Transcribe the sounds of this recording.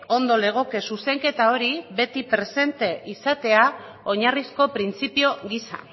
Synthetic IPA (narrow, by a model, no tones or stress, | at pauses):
o̞nd̪o̞le̞ɣ̞o̞ke̞suse̞ŋke̞t̪ao̞ɾibe̞t̪ipɾe̞se̞nt̪e̞ʔisat̪e̞a | o̞ɲarisko̞pɾint͡sipio̞ɣisa̰